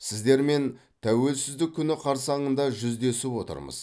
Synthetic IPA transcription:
sɪzd̪e̞ɾme̞n | t̪ʰæwe̞lsɪzd̪ɪkʲʰːʏnɪqʰɑɾsɑɴənd̪ɑʒʏzd̪e̞sɪpwo̞t̪ə̰ɾmə̰z

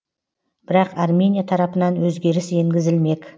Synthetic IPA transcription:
b̥ɪɾɑqɑrmʲe̞nʲijat̪ʰɑɾɑpənɑnwɵzɡʲe̞ɾɪse̞ŋɡʲɪzɪlme̞k

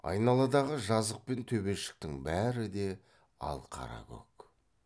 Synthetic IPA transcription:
ɑ̰jnɑlˠɑd̪ɑʁəʒɑzəq̚pe̞nt̪ʰɵbe̞ʃɪ̥k̚t̪ɪŋbæɾɪd̪e̞ | ɑ̰lˠqʰɑ̰ɾɑ̰kʲɵ̰k

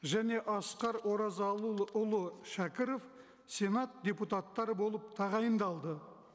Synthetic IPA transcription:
ʒæne̞ʔɑsqɑɾwo̞ɾɑzɑlˠuʊlˠəʃækʲɪɾo̞f | se̞nat̪̚dʲe̞put̪at̪ːɑɾəbo̞lˠəp̚t̪ʰɑʁɑjənd̪ɑlˠd̪ə

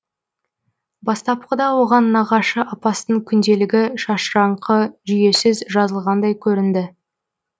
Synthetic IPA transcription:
bɑst̪ɑp̚qəd̪ɑwo̞ʁɑnːɑʁɑʃəʔɑpɑst̪əɴkʲʰʏnd̪e̞lɪɡʲɪʃɑʃɾɑɴqʰəʒʏje̞sɪzʒɑzəlˠʁɑnd̪ɑjkʲʰɵɾɪnd̪ɪ

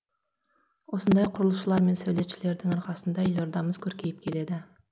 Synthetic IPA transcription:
wo̞sənd̪ɑjqʰʊɾəlˠəʃəlˠɑɾme̞nsæwle̞t̪ʃɪle̞ɾd̪ɪŋɑɾqɑsənd̪ɑjloɾd̪ɑməzkʲʰɵɾkʲʰe̞jɪp̚kʲʰe̞le̞d̪ɪ

